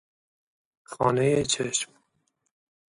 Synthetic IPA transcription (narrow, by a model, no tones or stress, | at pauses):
xɒːnejet͡ʃʰeʃm